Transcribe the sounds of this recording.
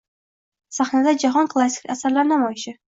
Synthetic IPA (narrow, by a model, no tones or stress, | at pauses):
saχnad̪ad͡ʒaɦɒnkʰlˠasʲi̥kʲasaɾlaɾnamɒjɪʃɪ